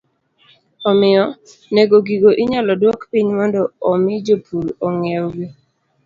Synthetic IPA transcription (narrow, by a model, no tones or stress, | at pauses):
ɔmɪɔ | neɡoɡiɡoʔiɲalɔdwɔkpiɲmɔndɔɔmɪd͡ʒopuɾoŋewɡi